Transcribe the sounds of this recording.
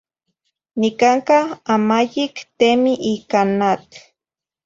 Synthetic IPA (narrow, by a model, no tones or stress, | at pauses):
nikaŋkaamajikt̪emiʔikanat̪